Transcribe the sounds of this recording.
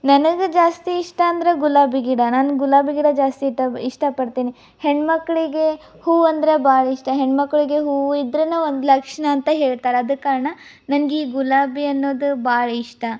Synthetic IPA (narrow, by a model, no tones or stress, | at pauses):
nɐnɐɡed͡ʒaːst̪iːʂʈɐːnd̪ɐɾeɡulaːbiɡiɽɐnaːnuɡulaːbiɡiːɽɐd͡ʒaːst̪iʈɐiʂʈɐpɐɽt̪iːni | heɳɖmɐkːɐɭiɡe̞ | huːɐnd̪ɐɾebaːɭɐiʂʈɐɦeɳɖmɐkːɐɭiɡe̞ɦuːid̪ɾɐnːɐʋond̪ulɐkʂɐɳɐːnt̪ɐɦe̞ːɭt̪aːɾeɐd̪ukːaːɾɐɳɐ | nɐnɐɡeiːɡulaːbiɐnːo̞ːd̪ubaːɭɐiʂʈɐ